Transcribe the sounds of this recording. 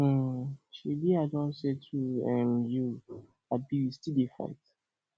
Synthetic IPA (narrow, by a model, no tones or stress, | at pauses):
ʃibiadɔ̃nsetʰuɛmju | abiistidifa̰k̚t